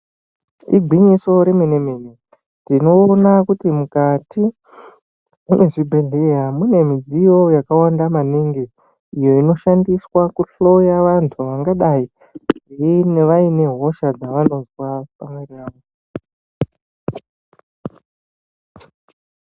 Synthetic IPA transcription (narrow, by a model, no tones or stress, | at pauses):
ḭɡʱwiɲiso̞ɾemenemene | tino̞ːnakutimukati | mune̞ʐibʱeɮijamune̞mid͡zijo̞jakawandamaniŋɡe | ijo̞ino̞ʃandiswakuɬo̞jaʋantʰuʋaŋɡaɗai | eineʋaine̞ɦo̞ʃad͡zaʋano̞zwapamweriraːʋo